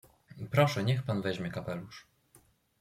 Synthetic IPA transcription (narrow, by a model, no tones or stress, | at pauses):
pɾɔʂɛɲɛxpanvɛʑmʲjɛkapɛluʂ